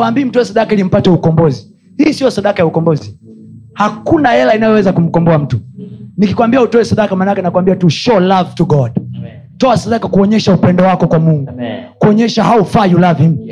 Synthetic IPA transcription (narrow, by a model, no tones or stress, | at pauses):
ambiːm̩tɔwɛsaɗakailim̩patɛukɔmbɔzi | hiːsijɔsaɗakajaukɔmbɔzihakunahɛlainajɔwɛzakum̩kɔmbɔam̩tunikikwambiautɔɛsaɗakamanakɛnakuwambiatuʃɔlavtuɡɔd | tɔasaɗakakuɔɲɛʃaupɛndɔwakɔkwamuŋɡukuɔɲɛʃahaufajulavim